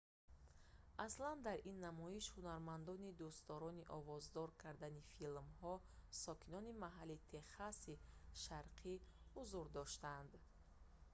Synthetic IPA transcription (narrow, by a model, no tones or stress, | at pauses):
ʔasland̪aɾʔinːamɔiʃhunaɾmand̪ɔnid̪ust̪ɔɾɔniʔɔvɔzd̪ɔɾkʰaɾd̪anifilmhɔ | sɔkʰinɔnimaɦalit̪ʰe̞χasiʃaɾqʰi | huzuɾd̪ɔʃt̪and̪